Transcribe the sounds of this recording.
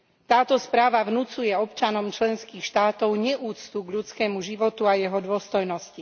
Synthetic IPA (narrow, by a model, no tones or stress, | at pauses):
t̪aːt̪ɔspɾaːʋaʋnut͡sujɛɔpt͡ʃanɔmt͡ʃlɛnskiːxʃt̪aːt̪ɔʊɲɛʔuːt͡st̪uɡʎut͡skɛːmuʒiʋɔt̪uajɛɦɔd̪ʊɔst̪ɔjnɔsci